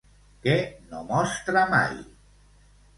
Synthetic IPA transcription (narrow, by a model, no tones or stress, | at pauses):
kenomɔst̪ɾama̰j